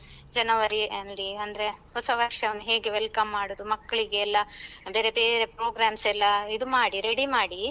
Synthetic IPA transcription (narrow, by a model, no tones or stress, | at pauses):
d͡ʒɐnɐʋɐɾiɐnliɐnd̪ɐɾe̞ɦɔsɐʋɐʂɐɐʋɐnːuɦe̞ːɡeʋelkɐmːaːɽoːd̪umɐkːɐɭiɡe̞ːlːɐbe̞ːɾe̞beːɾe̞pɾoːɡɾaːmsɛlːɐid̪umaːɽiɾeɽimaːɽi